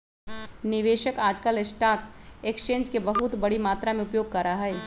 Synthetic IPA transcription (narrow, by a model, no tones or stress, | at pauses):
nɪʋeːʃəkaːd͡ʒkəlɪsʈaːt̪eːkst͡ʃẽːnd͡ʒkebəɦʊt̪bɐɽimaːt̪ɾamẽʊpjoːɡ̚kɐɾaɦɛː